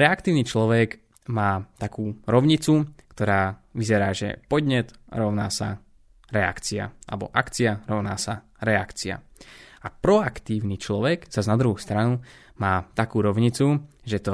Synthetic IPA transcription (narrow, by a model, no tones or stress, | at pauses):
ɾɛakt̪iːʊnit͡ʃlɔʋɛɡ | maːt̪akuːɾɔʊɲit͡sukt̪ɔɾaːʋizɛɾaːʒɛ̰pɔd̪ɲɛt̪ɾɔʊnaːsa | ɾɛa̰kt͡sia̰a̰lɛbɔ̰ʔakt͡siaɾɔʊnaːsa | ɾɛakt͡sia̰ | apɾɔakt̪iːʊnit͡ʃlɔʋɛɡz̥aznad̪ɾuɦust̪ɾanu | maːt̪akuːɾɔʊɲit͡suʒɛt̪ɔ